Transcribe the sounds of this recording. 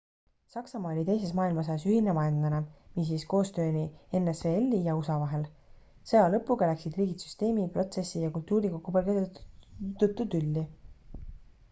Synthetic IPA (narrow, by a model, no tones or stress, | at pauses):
sɑksɑmɑːolʲit̪ejse̞smɑːilmɑs̬ɑjɑsyhinemɑend̪lɑnemis̬iːsko̞ːst̪ø̞ːnienːesveelʲːijɑusɑvɑɦe̞l | sɤjɑlɤpːˑuɡɑlæksid̪riːɡit̪sy̥st̪e̞ːmipro̞t̪se̞sijɑkult̪ˑːuːɾikokːupolɡe | t̪ut̪ːˑud̪ylʲːi